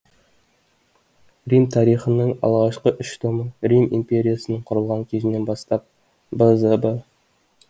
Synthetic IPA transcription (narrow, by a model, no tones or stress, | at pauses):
rʲimt̪ʰɑɾiχənəɴɑ̰lˠʁɑʃqəʔʏʃt̪ʰomərʲimḭmpʲe̞ɾʲijasənəɴqʰʊɾəlˠʁɑŋkʲʰezɪne̞nbɑst̪ɑp̚ | bəzəbə